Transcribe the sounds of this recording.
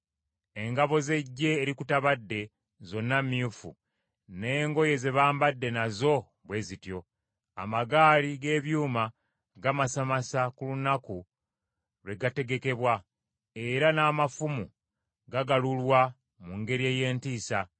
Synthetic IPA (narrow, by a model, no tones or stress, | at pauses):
e̞ŋɡaβo̞ze̞ɟːe̞ːɾikutaβadːe̞ | zo̞nːamːiufṵ | ne̞ːŋɡo̞je̞ze̞βaːmbadːe̞nazo̞ | βwe̞ːzitjo̞ | a̰maɡaːliɡe̞ːβjuːma | ɡamasamasakulunaku | βe̞ɡate̞ɡeke̞βwa | e̞ɾanaːmafumu | ɡaɡalulwa | muŋɡe̞ɾie̞ːje̞ːntiːsa